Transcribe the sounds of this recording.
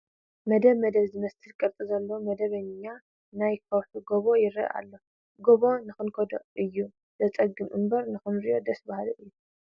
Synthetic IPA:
mɐd̪ɐβmɐd̪ɐβzɨmɐst̪ʰɨlkʼɐɾt̪ʼizɐlːɐwmɐd̪ɐβɐɲa | najkʰɐwħuɡoβo̞jɪɾɐ̰ʔa̰lːo̞ | ɡoβo̞nɨxɨnkʰod̪o̰ʔʔɨjːu | z̥ɐt͡sʼɐɡːɨmʔɨmbɐɾnɨxɨnɾijo̞d̪ɐsbahaloʔɨjːu

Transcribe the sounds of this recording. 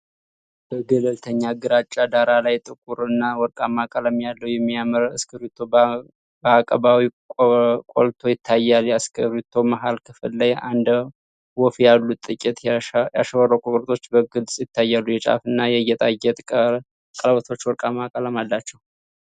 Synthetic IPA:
b̥əɡələlt̪ʰəɲːaɡɨɾat͡ʃʼːad̪aɾalajt̪ʼɨkʼuɾɨnːawɔɾkʼamakʼələmjalːəwjɛmːiaməɾaskʰəɾut̪ʰo̞ | bəakʼəbawikʼkʼo̰lt̪ʰo̞jɪt̪ʰːajːaljaskʰəɾut̪ʰːo̞maɦalkʰɨfɨlːaja̰nd̪ | wɔfjalːut̪ʼːɨkʼɪt̪ʼjaʃəwəɾəwkʼok̪ʼɾt̪ʰo̞t͡ʃːbəɡɨlsʼjɪt̪ʰːajːalːujɛt͡ʃʼa̰fɨnːajɛjːɛt̪ʼajːɛt̪ʼ | kʼəlβət̪ʰo̞t͡ʃːwɔɾkʼamakʼələmalːat͡ʃːɛw

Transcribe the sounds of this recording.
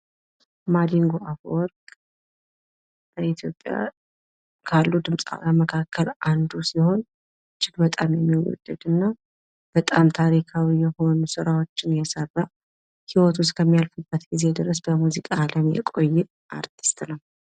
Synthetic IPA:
mad̪iŋɡoʔafwɔɾkʼ | bəit̪ʰjo̞pʼːja̰ | kʰalːud̪ɨmsʼa̰bəməkʰakʰːəland̪usiho̞n | t͡ʃːɪɡbət̪ʼamjɛmːiwɔ̰d̪̥ːəd̪ɨnːa | b̥ət̪ʼamt̪ʰaɾikʰawijɛho̞nusɨɾawo̞t͡ʃːɪnjɛsəβa | hiwɔt̪ʰwʊskʰəmːijalfubːət̪ɡize̞d̪ɨɾəsbəmuzikʼaləmjɛ̰kʼo̞jːɪ | ʔaɾt̪ʰi̥st̪ʼnəw

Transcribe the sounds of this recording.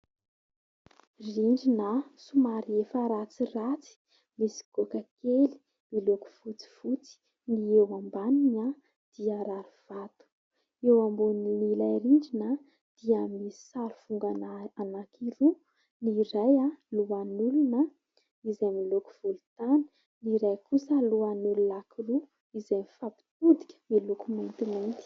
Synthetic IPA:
riɳɖ͡ʐinəsumaɾiefəɾat͡sirat͡si̥ | misi̥ɡ̥okakeli̥ | miloku̥fut͡si̥fut͡si̥ | niewambaniɲa | d̪̥iaɾaɾiv̥at̪u̥ | ewambuninilajɾiɳɖ͡ʐinə | d̪̥iami̥saɾufuŋɡaanakiɾu | niɾajaluanuluna | izamiluku̥v̥ulut̪anə̥ | niɾajkusəluanulunakiru | izamifapi̥t̪ud̪i̥kʲə̥milukument̪iment̪i̥

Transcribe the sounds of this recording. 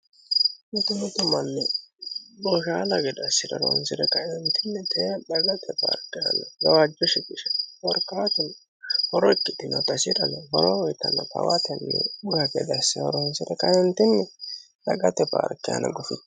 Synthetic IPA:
mɪt̪ʊmɪt̪ʊmɐnːɛ | bɔʃaːlɐɡɛd̪ɐsːɪdɐ̰ɾɔ̰nsɪd̪ɛkɐjɛnt̪ɪnːɛt̪ʰɛɗɐɡɐt̪ʰɛpa̰ːɾkːɪjɐ̰nɐɡɐwad͡ʒːɔʃɪkɪʃɛ̥wɔɾkaːt̪ʊn | hɔɾɔɛkːɪt̪ːɪnɔt̪ɐsɪɾɐnɐbɐwɐwɔjt̪ːɐnːɐpɐ̰wɐt̪ɛnːɛ̰bʊhɐɡɛ̰d̪ɐsːɪɐ̰ɾɔnsɪd̪ɛkɐjɛnt̪ɪnːɛ | ɗɐɡɐt̪ɛpa̰ːɾkɪjɐ̰nɐ̰ɡʊfɪt̪

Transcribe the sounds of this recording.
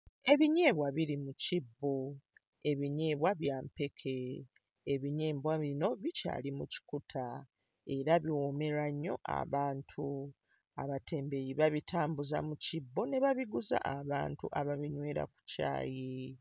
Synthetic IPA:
e̞βiɲe̞ːβwaβiɾimucibːo | e̞βiɲe̞ːβwaβjaːmpe̞kʰe̞ː | βiɲe̞ːmbwaβino̞βica̰ːlimuci̥kutʰa | e̞ɾaβiwome̞ɾaɲːo̞̰ʔa̰βaːntʰu | a̰βate̞ːmbe̞jiβaβitaːmbuza̰mucibːo̞ne̞βaβiɡuza̰ʔaβa̰ːntuʔaβaβiɲwe̞ːɾa̰ku̥ca̰ːji

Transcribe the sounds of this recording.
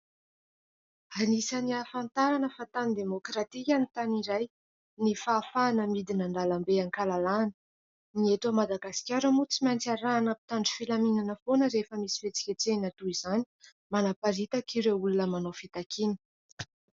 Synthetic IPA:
anisəniafant̪aɾanəfat̪anid̪emokɾat̪ikʲanit̪aniɾaj | nifaːfanəmid̪inaɳɖ͡ʐalambeaŋkalalanə̥ | niet̪əmad̪aɡasi̥kʲaɾəmut͡simant͡saɾanəpi̥t̪aɳɖ͡ʐi̥filaminanəfonəɾefəmisi̥fet͡si̥kʲat͡senat̪uizani̥ | manapaɾit̪akʰiɾeulunəmanofit̪akʰini̥

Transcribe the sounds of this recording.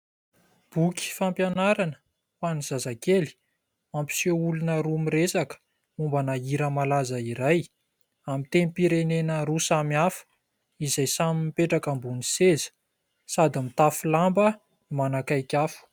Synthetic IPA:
b̥ukʲi̥fampjanaɾanə̥ | faniz̥azakeli̥ | mampi̥seulunəɾumiɾesakə̥ | mumbanaiɾəmalazəiɾaj | amit̪enipiɾenenəɾusamiafə̥ | izajsamimipeʈ͡ʂakambunisezə̥ | sad̪imit̪afulambə | nimanakajkʲafu̥

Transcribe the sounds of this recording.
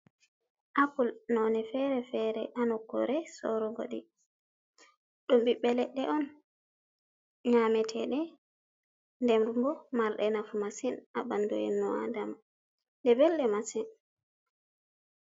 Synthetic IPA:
ʔakulnɔnɛfɛɾɛfɛɾɛ̰ʔanɔkːɔ̰ɾɛsɔ̰ɾɔɡo̰ɗi | ɗumbiɓɛlɛɗɛʔɔn | ɲamɛtʰɛɗɛ | ndɛmɾumbɔmaɾɗɛnafumasinabandɔ̰ɛnːɔa̰dam | dɛbɛlːɛmasin

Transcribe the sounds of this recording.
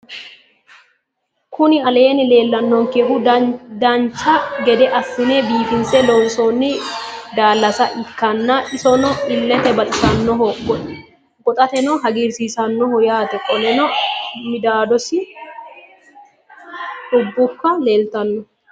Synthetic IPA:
kʊnɪɐle̞ːnɪle̞ːlːɐnːɔŋkeɦʊd̪ɐnt͡ʃːɐɡɛd̪ɛʔɐfːɪnebiːfɪnsɛlɔnsonːɪd̪aːlːɐsɐʔɪkːɐnːɐʔɪsɔnɔɪlːɛt̪ɛbɐt̪ʼɪsɐnːɔɦɔɡːɔʔɪ | ɡɔt̪ʼɐt̪ɛnɔɦɐɡiːɾsiːsɐnːɔhɔjaːt̪ɛkʼɔlɛnɔmɪd̪aːd̪ɔsɪ | ʔʊbːʊkːɐle̞ːlt̪ɐnːɔ

